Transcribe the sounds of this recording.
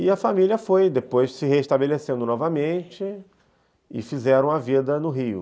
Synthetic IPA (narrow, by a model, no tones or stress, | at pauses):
ɪɐfamiliɐfojd̪epojssɪɦeiʃt̪abelesẽnd̪ʊnɔvɐmẽnt͡ʃɪ | ɪ̰fizɛɾɐ̃w̃ɐvid̪ɐnʊɦiʊ̰